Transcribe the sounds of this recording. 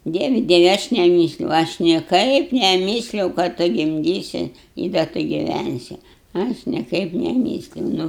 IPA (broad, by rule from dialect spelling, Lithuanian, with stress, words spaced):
ˈdʲiɛʋʲɪ ˈdʲiɛʋʲɪ ɐʃ nʲɛˈmʲiːsʲlʲɛʊ ˈɐʃ nʲiɛˈkɐɪp nʲɛˈmʲiːsʲlʲɛʊ kɐ ˈtʊ ɡʲɪmʲˈdʲiːsʲɪ ɪ dɐ ˈtʊ ɡʲɪˈʋʲænʲsʲɪ ˈɐʃ nʲiɛˈkɐɪp nʲɛˈmʲiːsʲlʲɛʊ ˈnʊ